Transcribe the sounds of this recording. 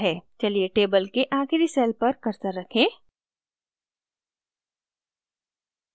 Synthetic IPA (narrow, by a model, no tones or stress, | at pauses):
ɦɛːt͡ʃɐlieʈeːbəlkeʔãːxɾisɛːlpɐɾkɐɾt̪ɐɾːɐkʰẽː